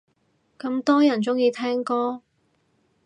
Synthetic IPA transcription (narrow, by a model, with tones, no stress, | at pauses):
kɐ˧mt̪ɔː˥jɐ˨˩nt͡sʊ˥ŋjiː˧t̪ʰɛː˥ŋkɔː˥